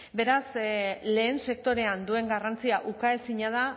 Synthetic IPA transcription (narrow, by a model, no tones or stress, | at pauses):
be̞ɾasle̞ːnse̞k̚t̪o̞ɾe̞and̪ue̞ŋɡarant͡siaʔukaesiɲað̞a